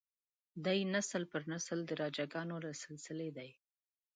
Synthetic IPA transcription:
d̪ajnasəlpəɾnasəld̪əɾɑd͡ʒaɡɑnoɾasɪlsɪled̪aj

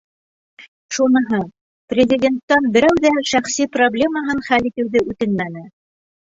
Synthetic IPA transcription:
ʃunɤ̆ɦɤ | prʲɪzʲɪdʲe̞nt̪ːɑnbɘ̆ɾæwðæʃæχsiproblʲe̞mɑɦɤnχælit̪ɘ̆wðɘʔʉt̪ɘnmænɘ

